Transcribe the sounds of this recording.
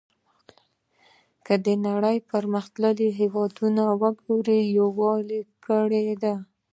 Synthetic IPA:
kəd̪ənaɽəjpəɾməxt̪ləliɦewɑd̪unawəɡoɾijowɑlikʰəɽed̪a

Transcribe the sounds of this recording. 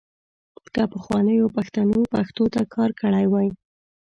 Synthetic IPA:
d̪̥əpəxwɑnəjopaxt̪anopaxt̪ot̪akʰɑɾkəɽajwɑj

